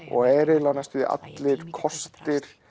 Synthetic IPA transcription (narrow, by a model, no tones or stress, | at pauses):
ɔ̰ɣɛːɾɪlanast̪ʏðḭʔa̰t̪lɪɾ̥kʰɔst̪ɪɾ̥